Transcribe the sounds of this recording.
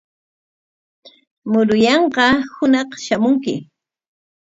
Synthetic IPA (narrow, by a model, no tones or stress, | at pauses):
mʊɾʊjɑɴqɑhʊnɑχʃamʊŋkɪ̰